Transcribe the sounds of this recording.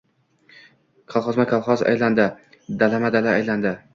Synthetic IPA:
kʰɒlˠχɒzmakʰalˠχɒza̰jland̪ɪ | d̪alamad̪alaːjland̪ɪ

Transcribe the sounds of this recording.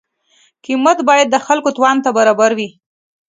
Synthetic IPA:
kɪmat̪bɑjad̪̚ːəxalkot̪wɑnt̪abaɾɑbaɾwi

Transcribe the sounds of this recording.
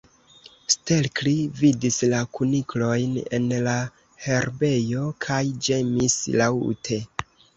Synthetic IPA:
ste̞lklividislakuniklo̞jne̞̰nla | he̞ɾbe̞jo̞kʰajd͡ʒe̞mislawtʰe̞

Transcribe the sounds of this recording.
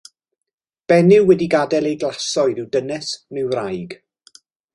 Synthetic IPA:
b̥ɛnɪwwɛdiɡadɛlejɡlˠasɔɨɾɪwdənɛsnɪwrajɡ

